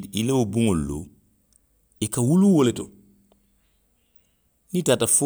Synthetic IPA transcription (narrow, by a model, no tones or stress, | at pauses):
ilewobuŋolulo̰ | ikawuluwoleto | nitaːtafo